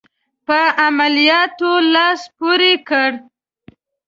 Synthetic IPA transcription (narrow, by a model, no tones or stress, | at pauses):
pəamalijɑt̪olɑspoɾekəɽ